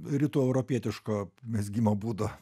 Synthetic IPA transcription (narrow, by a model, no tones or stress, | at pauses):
ɾʲiːt̪uːɛʊɾopʲiɛt̪ʲɪʃkoːmʲɛsʲɡʲiːmoːbuːd̪oː